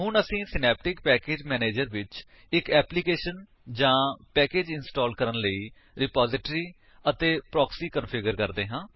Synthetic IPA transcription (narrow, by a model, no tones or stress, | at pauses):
ɦʊnəsĩːsɪnɛːp̚ʈɪkpɛːkeːd͡ʒmɛːneːd͡ʒəɾʋɪt͡ʃ | ɪkɛːplikeːʃən | d͡ʒãːpɛːkeːd͡ʒɪnsʈɔːlkəɾənləiː | ɾɪpaːzɪʈɾiː | ət̪eːpɾɔːksiːkənpʰɪɡəɾkəɾd̪eːɦãː